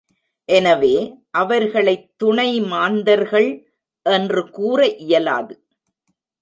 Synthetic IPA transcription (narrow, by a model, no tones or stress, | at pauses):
ʔɛnɐʋeːʔɐʋɐɾɣɐɭɐɪt̪ːʊɳɐɪmaːnd̪ɐɾɣɐɭ | ʔɛndrɯkuːrɐʔɪjɐla̰ːðɯ